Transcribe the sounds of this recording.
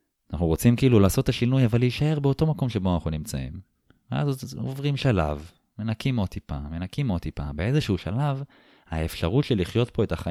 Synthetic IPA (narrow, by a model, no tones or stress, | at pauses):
anaχnuʁot͡simkiiːlulaːso̞tːaʃinujavalːeiʃae̞ʁbeo̞to̞mako̞mʃe̞bo̞anaχnunimt͡sa̰ḭm | vea̰zo̰vʁimʃala̰v | me̞nakimo̞t̪ipa̰me̞nakimo̞t̪ipa̰be̞e̞zeʃuuʃalav | haefʃaʁutʃeliχjo̞tpo̞e̞taχa